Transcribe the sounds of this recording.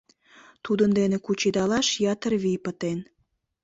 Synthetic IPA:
t̪ud̪ənd̪enekut͡ɕid̪ɑlɑʃjɑt̪ərβipət̪en

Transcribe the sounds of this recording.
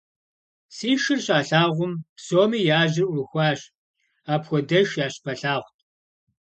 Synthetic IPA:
siːʃɨrɕʼaːɬaːʁʷʊmpsoːmiːjaːʒɪrʔʷʊrxʷɑːɕ | aːpxʷɔdɐʃjaːɕpʰɐɬaːʁʷtʰʼ

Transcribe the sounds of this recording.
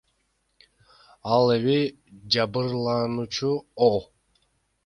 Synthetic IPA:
ɑlˠeβi | d͡ʒɑbɯɾlˠɑnut͡ʃʰuo

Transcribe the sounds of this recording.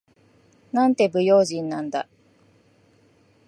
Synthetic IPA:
nãnt̪e̞bɯ̟jo̞ːʑĩnːãnd̪a̰

